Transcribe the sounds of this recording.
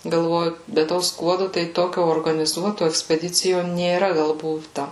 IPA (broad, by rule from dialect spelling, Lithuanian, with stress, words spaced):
ɡɐlˠˈʋoːjʊ bʲɛ ˈtoː ˈskuɔdʊ tɐɪ ˈtoːkʲoː oːrɡɐnʲɪˈzuɔtoː ɛksʲpʲɛˈdʲɪt͡sʲɪjoː nʲeːˈrɐ ˈɡɐlˠ ˈbuːtɐ